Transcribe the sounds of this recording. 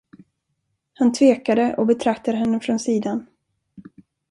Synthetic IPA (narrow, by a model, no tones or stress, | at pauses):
hant̪ʰveːkad̪əʔɔbɛt̪ʰɾakt̪ad̪əɦɛnːəfɾɔnsiːd̪an